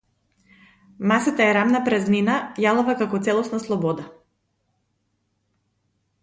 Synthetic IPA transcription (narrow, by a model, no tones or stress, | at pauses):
masat̪aɛɾamnapɾɛzninajalˠuvakakɔt̪sɛlˠɔsnaslˠɔbɔd̪a